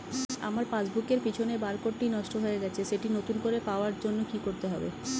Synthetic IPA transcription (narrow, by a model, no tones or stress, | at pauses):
a̰maɾpãd͡ʑbukeɾpit͡ɕʰonebaɾkoʈʈinɔʃʈoɦoeɡɛt͡ɕʰeʃeʈinot̪unkoɾepaoaɾd͡ʑonːokikoɾt̪eɦɔbḛ